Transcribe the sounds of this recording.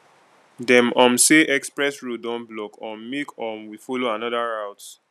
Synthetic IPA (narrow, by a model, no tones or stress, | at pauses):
dɛ̃mɔ̃mseʔɛkspɹɛsɹodɔ̃nblɔkʰɔ̃ːekʰɔ̃mwifoloanɔðaɹawt